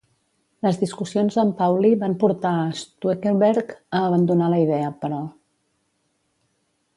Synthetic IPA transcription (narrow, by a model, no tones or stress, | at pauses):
ləzðiskusionzəmpawliβampuɾt̪aəst̪uekelβɛɾkəːβənd̪unaləið̞ɛəpəɾɔ